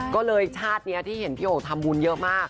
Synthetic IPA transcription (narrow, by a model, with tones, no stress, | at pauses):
kɔː˥˩lɤː˧jt͡ɕʰaː˥˩t̪̚ni˦˥ɐt̪ʰiː˥˩he˩˦npʰiː˥˩˨ʔoː˨˩t̪ʰa˧mbuː˧njɤ˦˥ʔmaː˥˩k̚